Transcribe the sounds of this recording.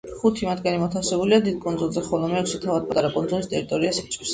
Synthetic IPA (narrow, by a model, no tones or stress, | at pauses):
χut̪ʰimad̪ɡanimɔt̪ʰafsɛbuliad̪id̪̚kʼɔnd̪zulˠzɛχɔlˠɔmɛɛkʃit̪ʰavad̪̚pʼat̪ʼaɾapʼɔnd̪zɔlist̪ʼɛɾit̪ʼɔɾiasit͡ʃʼis